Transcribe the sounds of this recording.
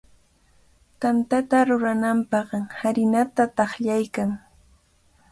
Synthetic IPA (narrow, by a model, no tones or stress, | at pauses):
t̪ant̪at̪aɾʊɾanampɑχhaɾɪnat̪at̪ɑχʎajkaŋ